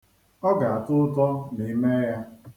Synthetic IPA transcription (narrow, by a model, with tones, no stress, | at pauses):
ɔ˦ɡa˨a˨tʊ˦tɔ˦ni˨˦me˦ja˦